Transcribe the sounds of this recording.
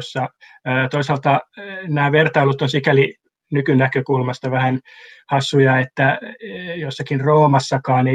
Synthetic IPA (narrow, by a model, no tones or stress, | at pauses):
sːɑː | t̪oisɑlt̪ɑnæːʋert̪ɑilut̪onsikæli | nykynækøkulmɑst̪ɑʋæhænhɑsːujɑet̪ːæ | josːɑkinroːmɑsːɑkɑːne